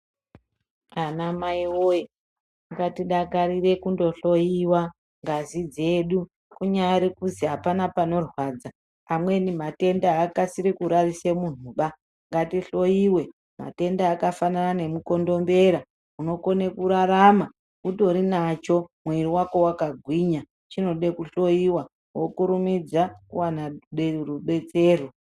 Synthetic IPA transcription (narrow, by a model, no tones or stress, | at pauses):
anamaiwoji | ŋɡatiɗakaɾire̞kundo̞ɬo̞jiwa | ŋɡazid͡ze̞ɗu | kuɲaɾikuziɦapanapano̞rwaːd͡zaː | mwe̞nimate̞ndaːkasiɾikuɾarisemun̤uɓa | ŋɡatiɬo̞iwe̞ | ma̰te̞ndaːkafananane̞muko̞ndo̞mbe̞ɾa | uno̞ko̞nekuɾaɾama | uto̞ɾinat͡ʃo̞mweriwako̞wakaɡʱwiɲa | t͡ʃino̞ɗe̞kuɬo̞jiwa | wokuɾumid͡zakuwanaɗeruɓe̞t͡se̞ːro